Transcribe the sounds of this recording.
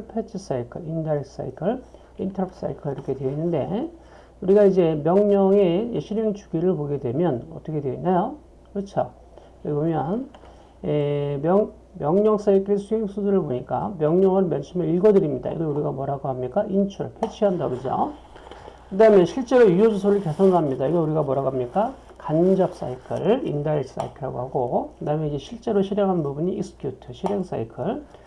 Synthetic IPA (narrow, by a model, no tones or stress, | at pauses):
ɭpʰet͡ɕʰis͈aikʰɯɭindaɾeks͈a̰ikʰɯɭ | intʰʌɾapʰs͈a̰ikʰɯɭiɾʌkʰe̞dweinːɯnde̞̰ | uɾiɡaid͡ʑe̞mjʌŋɲʌŋe̞ɕʰiɾeŋt͡ɕu̥ɡiɾɯɭboɡe̞dwe̞mjʌnʌt͈ʌkʰe̞dweinːajo | kɯɾʌt͡ɕʰo | eɡomjʌn | emjʌŋ | mjʌŋɲʌŋs͈aikʰesʰueŋsʰudɯɾɯɭboɲik͈a̰mjʌŋɲʌŋɯnmjʌnsʰumeiɭɡʌdɯɾimɲida̰ḭɡʌuɾiɡamwʌɾaɡoɦamɲik͈aʔint͡ɕʰuɾɯ̰ɭpʰjet͡ɕʰiɦandaɡoɡid͡ʑo̰ | kɯdaɦɯmeɕʰiɭt͡ɕ͈e̞ɾojujod͡ʑus̬ʰoɾɯɭke̞sʰonamɲidaiɡʌuɾiɡamʌɾaɡamɲik͈a | kand͡ʑʌp̚s͈a̰ikʰɯɾḭndass͈a̰ikʰɯɾa̰ɡo̰haɡokɯdaɯmjenid͡ʑe̞ɕʰiɭt͡ɕ͈e̞ɾoɕʰiɾjaŋɦannbubuɲiːsɯ̥kʰjutʰɯɕʰiɾeŋs͈a̰ikʰɯɭ